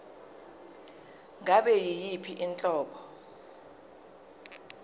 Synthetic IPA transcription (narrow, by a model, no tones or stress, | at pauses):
ŋʱaɓɛjijipʰiʔint͡ɬʼɔːɓʰɔ